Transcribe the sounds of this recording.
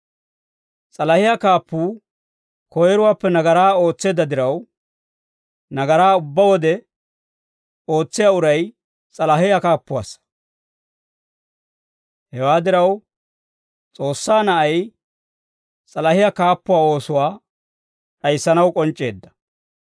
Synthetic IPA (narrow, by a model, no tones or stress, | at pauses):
t͡sʼɐlɐhɪjakaːpːuː | kɔjɛɾʊwaːpːɛnɐɡɐɾaːo̞ːt͡sːe̞ːd̪ɐd̪ɪɾɐw | nɐɡɐɾaːʊbːɐwɔd̪ɛ | o̞ːt͡sːɪjaʊɾɐj | t͡sʼɐlɐɦɪjakaːpːʊwa̰ːsɐ̥ | hɛwaːd̪ɪɾɐw | t͡sʼo̞ːsːaːnɐʔɐj | t͡sʼɐlɐhɪjakaːpːʊwaːo̞ːsʊwaː | ɗɐjsːɐnɐwkʼɔnt͡ʃʼːe̞̰ːd̪ːɐ̥